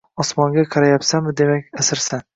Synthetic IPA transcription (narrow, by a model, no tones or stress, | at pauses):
ɒsmɒŋɡʲaqʰɑɾajapsanmɪd̪e̞makʲasɪɾsan